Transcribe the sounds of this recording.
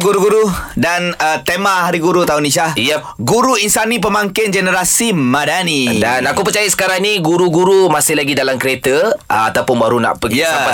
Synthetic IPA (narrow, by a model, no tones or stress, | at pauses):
ɡuɾuɡuɾudanət̪emaɦaɾiɡuɾut̪aʊniʃahijə | ɡuɾuinsanĩp̬əmaŋkɪnd͡ʒɛnəɾasimãdanidanakupərt͡ʃajasə̥kaɾaŋniɡuɾuɡuɾumasɪhlaɡidalamkəɾet̪əəat̪awpʊnbaɾuna̰ʔpəəaa